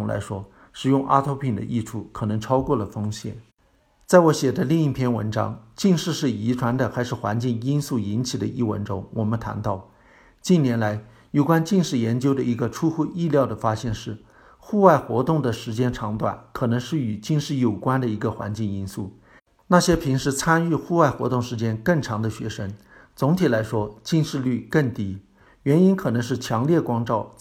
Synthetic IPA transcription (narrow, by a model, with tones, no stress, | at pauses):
la̰˧˥ɪʂwɔ˥ | ʂɻ̩˨˩jʊ˥˧ŋʔa̰˥t̪ʰo˧˥ʊpʰi˨˩ŋd̪ə̰˦ʔi˥˧ʈ͡ʂʰu˥˩kʰɤ˨˩nɤ˧˥ŋʈ͡ʂʰɑ˥ʊkwɔ˥˩lə˩fɤ˥ŋɕjɛ̰˨˩˦n | t͡sa˥˩ɪwɔ˧˥ɕjɛ˨˩d̪ə˦li˥˧ŋi˥˩pʰjɛ˥nwə̰˧˥nʈ͡ʂɑ̰˥ŋt͡ɕi˥˧ŋʂɻ̩˥˧ʂɻ̩˥˩i˧˥ʈ͡ʂʰwa˧˥nd̪ə˧˨xa˧˥ɪʂɻ̩˥˩xwa̰˧˥nt͡ɕi˥˩ŋi˥nsu˥˩i˧˥nt͡ɕʰi˨˩d̪ə̰˦ʔi˥˩wə̰˧˥nʈ͡ʂʊ˥ŋwʔɔ˨˩mə˦nt̪ʰa̰˧˥nt̪ɑ˥˩ʊ | t͡ɕi˥˩njɛ˧˥nla˧˥ɪ | jo˨˩ʊkwa˥nt͡ɕi˥˧ŋʂɻ̩˥˩jɛ˧˥nt͡ɕjo˥ʊd̪ə˨i˧˥ɡə˧ʈ͡ʂʰu˥xu˥˧i˥˧ljɑ˥˩ʊd̪ə˩fa˥ɕjɛ˥˧nʂɻ̩˥˩ | xu˥˧wa˥˩ɪxwɔ̰˧˥t̪ʊ˥˩ŋd̪ə˩ʂɻ̩˧˥t͡ɕjɛ˥nʈ͡ʂʰɑ˧˥ŋt̪wa̰˨˩nkʰɤ˨˩nɤ˧˥ŋʂɻ̩˥˩y˨˩t͡ɕi˥˧ŋʂɻ̩˥˩jo˨˩ʊkwa˥nd̪ə˨i˧˥ɡə˧xwa̰˧˥nt͡ɕi˥˩ŋi˥nsu˥˩ | na˥˩ɕjɛ˥pʰi˧˥ŋʂɻ̩˥t͡sʰa˥ny˥˧xu˥˧wa˥˩ɪxwɔ̰˧˥t̪ʊ˥˩ŋʂɻ̩˧˥t͡ɕjɛ˥nkə˥˩ŋʈ͡ʂʰɑ˧˥ŋd̪ə˧ɕɥɛ̰˧˥ʂə˥ŋ | t͡sʊ˧˥ŋt̪ʰi˨˩la˧˥ɪʂwɔ˥t͡ɕi˥˧nʂɻ̩˥˧ly˥˧kə˥˩ŋt̪i˥ | ɥɛ˧˥ni˥nkʰɤ˨˩nɤ˧˥ŋʂ̬ɻ̩˥˩t͡ɕʰjɑ˧˥ŋljɛ˥˩kwɑ˥ŋʈ͡ʂɑ˥˩ʊ